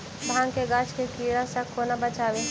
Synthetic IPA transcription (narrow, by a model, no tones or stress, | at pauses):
bʱãːŋkeɡaːt͡ʃkekiːɽasãkːonɐbɐt͡ʃaːʋe